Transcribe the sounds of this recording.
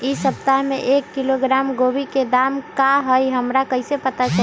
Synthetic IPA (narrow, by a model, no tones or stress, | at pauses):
isəp̚t̪aɦmeʔekːiloɡɾamɡobiked̪amkaɦəjɦəmɾakəɦisepət̪at͡ʃʰə